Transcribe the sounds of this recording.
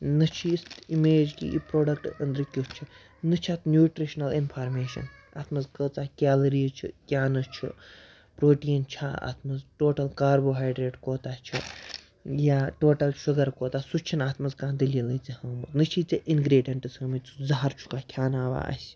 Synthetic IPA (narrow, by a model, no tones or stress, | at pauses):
nɨt͡ʃʰist̪imeːd͡ʒkḭḭpɾoːɖɐk̚ʈɐnd̪ɾɨkʲjot͡ʃʰi | nɨt͡ʃʰat̪nʲjuːʈɾiʃnɐlinpʰaːɾmeːʃɐ̰n | a̰ːt̪ʰmɐzkəːt͡saːkʲaːlɾiːt͡ʃʰikʲjaːnɨt͡ʃʰḭ | pɾoːʈiːnt͡ʃʰaːa̰t̪ʰmɐzʈoːʈɐlkaːɾboːɦaːjɖɾeːʈkoːt̪aːt͡ʃʰḭ | jaːʈoːʈɐlʃuɡɐɾkoːt̪aːsut͡ʃʰinaːt̪ʰmɐzkãːnd̪ɐlilɐt͡sihɐːmɐt̪nɨt͡ʃʰiːt͡seʔinɡɾeːɖijɐɳʈɨsɐmit͡su̥zɐɦɐɾt͡ʃʰu̥kaːkʲʰjaːnaːʋa̰ːʔɐ̰sʲ